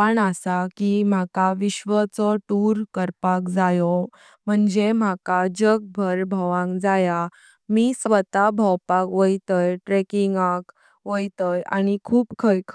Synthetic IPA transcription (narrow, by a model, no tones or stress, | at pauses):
paɳəsakim̤akaʋiɕʋət͡sɔʈuɾkəɾpakd͡zajɔ | m̤əɳd͡zem̤akad͡ʑək̚bʱəɾbʱəʋãŋkd͡zaja | miːsʋət̪abʱəwpakʋəjt̪əjʈɾekiŋɡak | ʋəjt̪əja̰nikʰuːpkʰəjkʰ